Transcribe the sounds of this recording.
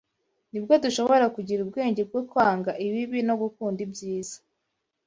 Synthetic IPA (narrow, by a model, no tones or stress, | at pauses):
nibɡo̞duʃo̞βo̞ɾakuɟiɾubɡe̞ːɲɟeb̚ɡokwaːŋɡaʔiβiβino̞ɡukuːndibɟiːz̥ḁ